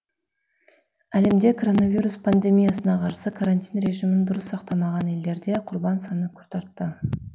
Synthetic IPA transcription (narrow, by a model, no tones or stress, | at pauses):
æle̞md̪e̞kʰo̞ɾo̞navijɾuspʰand̪e̞mʲijasənɑqʰɑɾsəkʰaɾanʲt̪ʲijnɾe̞ʒimɪnd̪ʊɾəsːɑq̚t̪ɑmɑʁɑne̞ld̪e̞ɾd̪e̞qʰʊɾbɑnsɑnəkʰʊ̥ɾt̪ɑɾt̪ːə